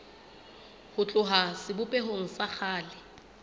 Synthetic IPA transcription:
hʊt͡ɬʼʊɦasɪbʊpʼɛɦoŋ̩sak͡xʰaːlɪ

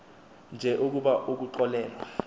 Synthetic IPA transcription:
nd͡ʒʱɛʔuk̬uɓaʔuk̬uǃɔlɛːlwa

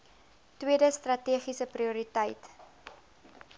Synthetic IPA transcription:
twiədəstrɐtiəχisəpriuɾitəjt

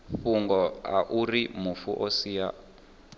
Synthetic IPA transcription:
ɸuŋɡɔa̰ʔurimufuʔɔsiːja

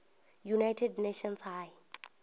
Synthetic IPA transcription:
junajtʰɛdneʃɔnshaːj

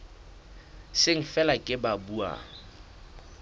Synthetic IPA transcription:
sɪŋ̩fɛlakʼɪbabuːa̰

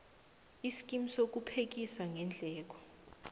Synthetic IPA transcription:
isi̥k̬ʼimisok̬upʰek̬isaŋʱɛnd͡ɮʱɛːk̬ɔ̥

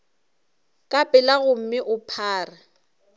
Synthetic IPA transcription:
kʼapʼɪlaɣʊm̩mɪʔʊpʰaːra

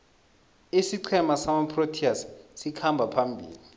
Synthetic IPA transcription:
esiǀʰɛmasamapʰrotʰiassikʰambʱapʰambʱḭːli

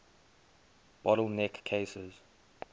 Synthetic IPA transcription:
b̥ɔɾəlˠnɛkʰːeːsəz̥

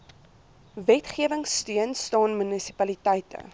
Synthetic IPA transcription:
vɛtχiəvəŋstyənstɑːnmynəsi̥pɐlitɛjtə̰

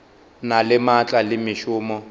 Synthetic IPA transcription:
nalɪmat͡ɬʼalɪmɪʃʊːmɔ

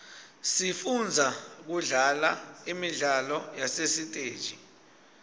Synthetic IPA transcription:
sifund͡zʱak̬uɮalaimiɮalɔjasesitʼeːd̥ʒ̥ʱi

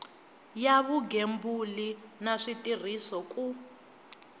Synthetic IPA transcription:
jaβuɡembulinaʂitʼir̤isɔkʼu

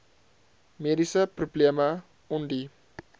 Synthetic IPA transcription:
medisəprubliəmə | ɔndi

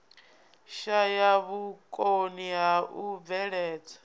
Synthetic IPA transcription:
ʃajaβukʼoniɦaʔub̪vɛɺɛːt͡sʰḁ

